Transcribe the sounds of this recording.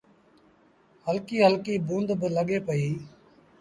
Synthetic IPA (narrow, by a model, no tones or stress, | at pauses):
həlkiːɦəlkiːbũːnd̪bələɠeːpəiː